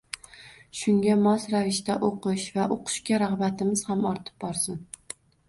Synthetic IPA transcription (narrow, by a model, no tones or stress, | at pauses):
ʃʊŋɡʲamɒsɾavɪʃt̪aʔoqɨʃvaʔoqʰʊ̥ʃkʲaɾaʁbat̪ʰɪmɪz̥hamɒɾt̪ʰɪ̥p̚bɒɾsɪn